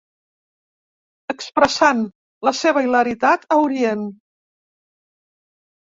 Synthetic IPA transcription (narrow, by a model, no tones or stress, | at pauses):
əkspɾəsan | ləseβ̞əiləɾit̪at̪əuɾien